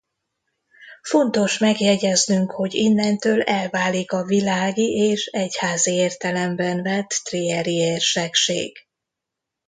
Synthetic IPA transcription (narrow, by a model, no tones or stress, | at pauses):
fo̞nt̪o̞ʃmɛɡjɛɟɛznyŋkho̞ɟinːɛnt̪øːlɛlvaːlikɒvilaːɡiʔeːʃɛchaːzieːrt̪ɛlɛmbɛnvɛt̪ːriɛɾieːrʃɛkʃḛːɡ̥